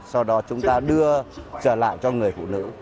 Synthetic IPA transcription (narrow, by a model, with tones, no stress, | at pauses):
sa˧wɗɔ˨˦t͡ɕʊ˨˦ŋ͡mt̪aː˧ɗɨ˧ət͡ɕəː˧˩la̰ː˧˨jt͡ɕɔ˧ŋɨ˨˩əjfṵ˧˨nɨ̰˧˥